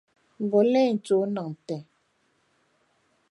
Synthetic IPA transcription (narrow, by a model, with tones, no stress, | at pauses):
m˨bɔ˨˦lɛ˦˨n̩˨t͡so˨˦nɔ˨ŋn̩˨tɛ˨